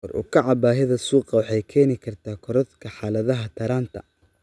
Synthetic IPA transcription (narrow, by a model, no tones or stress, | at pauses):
ɔrʔṵːkʰɐʕɑbaːɦɪðɐsuːqɑwɑħɛjkʰɛːnɪkʰɐrt̪ʰaːkʰɔɾɔt̪kʰɐħaːlɐðɐɦɐt̪ʰɐɾaːnt̪ʰɐ̰